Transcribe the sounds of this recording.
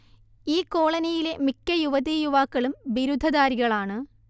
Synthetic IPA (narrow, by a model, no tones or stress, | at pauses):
iːko̞ːɭɐnɐjile̞mikːɐjuʋɐðijuʋaːkːɐɭumbiɾud̪ʱːɐðaːɾiɣɐɭaːɳɨ